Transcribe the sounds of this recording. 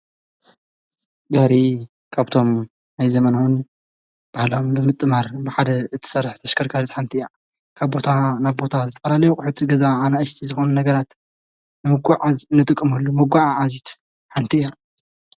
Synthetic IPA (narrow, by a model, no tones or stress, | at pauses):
ɡɐhɾi | kʰaβt̪ʰo̞m | najzɐmɐnawun | b̥ahlaombɨmɨt̪ʼːɨmaɾbɨħad̪ɐɨt̪ʰɨ̥sɐɾħt̪ʰɐʃkʰɐɾkʰaɾit̪ħant̪ʰija | kʰaβbo̞t̪ʰanaβbo̞t̪ʰazɨt̪ʰɐfɐlalɐjukʼʊħut̪ɡɐzaʕanaʔɨʃt̪ʰizɨxo̞nunɐɡɐɾat̪ | nɨmɨɡʷaʕazɨnːɨt̪ʼɨkʼːɨmɐlːumɐɡʷaʕaʕazit̪ | ħant̪ʰija